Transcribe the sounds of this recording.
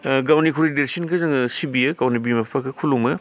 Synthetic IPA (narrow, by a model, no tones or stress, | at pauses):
ɡawnikʰuɾideɾsinkʰɯzɯŋsibiɯɡawnibimapʰakʰɯkʰulumɯ